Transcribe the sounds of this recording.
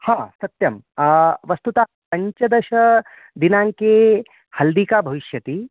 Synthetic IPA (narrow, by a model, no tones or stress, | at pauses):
hãːsɐt̪jɐmʋɐst̪ut̪aː | pɐɲt͡ʃɐd̪ɐʃɐ | d̪inãŋke | hɐld̪iːkaːbʱɐʋiʃjɐt̪i